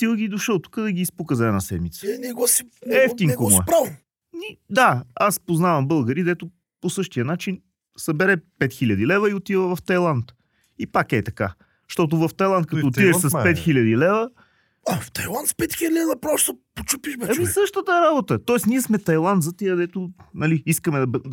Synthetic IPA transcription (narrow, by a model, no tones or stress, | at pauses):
t̪ilˠɡʲid̪oʃəlˠt̪u̥kəd̪ɐɡʲiːspukəzɐɛnasɛ̰d̪mit̪sənɛɡɔsiɛft̪iŋɡkomʊɛpɾav | nid̪aaspoznavɐmbɤlˠɡəɾid̪ɛt̪ʊ | posɤʃt̪ijənat͡ʃin | sɐbɛɾɛpɛt̪xilʲɐd̪ilɛvəiot̪ivəvɐft̪ɐjlˠant̪ | ipakɛt̪ɐka̰ | ʃt̪ɔt̪ʊvɐft̪ɐjlˠant̪̚kɐt̪ɔot̪id̪ɛʃsɐspɛt̪xilʲɐd̪ilɛvə | aft̪ɐjlˠant̪spɛt̪xilʲd̪ʲid̪ɐpɾɔst̪opot͡ʃupiʃbɛɐmisɤʃt̪ət̪əɾabot̪ət̪ɔɛsniɛsmɛt̪ɐjlˠant̪zɐt̪iəd̪ɛt̪ʊnɐliiskəmɛd̪ɐ